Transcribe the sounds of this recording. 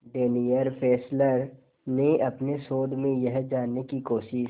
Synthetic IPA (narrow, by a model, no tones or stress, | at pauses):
ɖeːnijəɾpʰɛːsləɾ | neɐpnesoːd̪ʱmẽjɐɦd͡ʒaːnːekikoːʃɪʃ